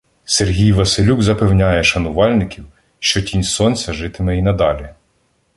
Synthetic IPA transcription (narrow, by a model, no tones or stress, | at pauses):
serɦʲijʋɐsɪlʲuɡzɐpewnʲajɛʃɐnʊʋɑlʲnɪkʲiw | ʃt͡ʃɔtʲinʲsɔnʲt͡sʲɐʒɪt̪ɪmɛinɐd̪ɑlʲi